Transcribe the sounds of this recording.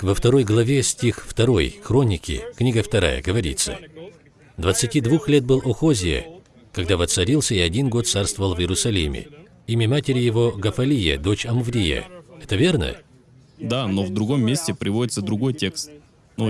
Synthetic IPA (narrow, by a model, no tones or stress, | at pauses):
vəft̪ɐɾo̞jɡlˠɐvʲe̞sʲtʲixft̪ɐɾo̞̰jxɾo̞nʲɪkʲɪ̰knʲiɡəft̪ɐɾa̰jə̰ɡəvɐɾʲḭt̪sːə̰ | d̪vət̪sɨtʲid̪vuxlʲe̞t̪̚bɨlˠoxozʲɪjə̰ | kɐɡd̪avət̪sɐɾʲilˠsʲəɪɐdʲinɡo̞t̪t̪sarst̪vəvəlˠvjɪɾʊsɐlʲimʲɪ̰ | imʲəmatʲɪɾʲɪjɪvo̞ɡəfɐlʲijə̰d̪o̞t͡ɕɐmvɾʲijə̰ɛt̪əvʲe̞rnə̰ | d̪anovd̪ɾʊɡo̞mːʲesʲtʲɪpɾʲɪvodʲɪt̪səd̪ɾʊɡo̞jtʲe̞kst̪̚ | no